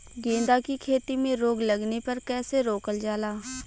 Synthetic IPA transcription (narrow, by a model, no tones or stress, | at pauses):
ɡẽːnd̪aːkiːkʰeːt̪iːmẽːɾoːɡləɡneːpəɾkɛːseːɾoːkəld͡ʒaːlaː